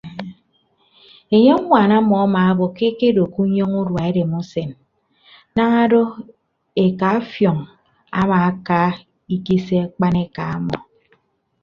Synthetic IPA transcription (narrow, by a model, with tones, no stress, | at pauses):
e˨ɲe˦ŋʷa˨na˦mɔ˨a˦ma˨a˦bo˨ke˦ke˦do˨ku˦ɲo˦ŋu˦ɾwa˨e˦de˨mu˦se˨n | na˦ŋa˦do˦ | e˨ka˨˦fjɔ˨ŋ | a̰˦ma˨a˦ka˦ | i˦ki˦se˦a˦k͡pa˦ne˦ka˨a˦mɔ̰˨